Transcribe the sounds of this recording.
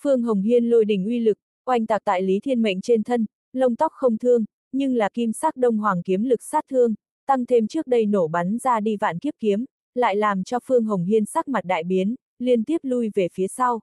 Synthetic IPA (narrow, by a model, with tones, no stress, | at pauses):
fɨ˧əŋɦə˨˩wŋ͡mɦi˧ənlo˧jɗï˨˩ŋ̟ʔwi˧lɨ˨˩k̚ | kwa˧jŋ̟t̪aː˨˩t̪a̰ː˧˨jli˨˦t̪ʰi˧ənmə̰˧˨jŋ̟t͡ɕe˧nt̪ʰə˧n | lə˧wŋ͡mt̪ɔ˦˥k͡p̚xə˧wŋ͡mt̪ʰɨ˧əŋ | ɲɨ˧ŋlaː˨˩ki˧msaː˦˥k̚ɗə˧wŋ͡mɦwaː˨˩ŋki˨˦əmlɨ˨˩k̚saː˦˥t̚t̪ʰɨ˧əŋ | t̪a˧ŋt̪ʰe˧mt͡ɕɨ˦˥ək̚ɗə˧jno˧˩ɓa˨˦nzaː˧ɗi˧va̰ː˧˨nki˦˥əp̚ki˨˦əm | la̰ː˧˨jlaː˨˩mt͡ɕɔ˧fɨ˧əŋɦə˨˩wŋ͡mɦi˧ənsaː˦˥k̚ma˨˩t̚ɗa̰ː˧˨jɓi˨˦ən | li˧ənt̪i˦˥əp̚lu˧jve˨˩fi˨˦əsa˧w